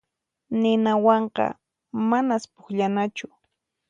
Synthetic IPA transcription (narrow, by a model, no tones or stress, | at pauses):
nɪnawɑɴqɑ̰ | manaspʊ̥χʎanat͡ʃʊ